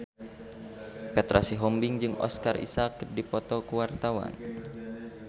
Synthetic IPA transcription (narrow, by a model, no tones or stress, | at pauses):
pɛt̪ɾʔasiɦɔmbiŋd͡ʒɨŋɔ̰skarḭsakdipɔt̪ɔkuwart̪awa̰n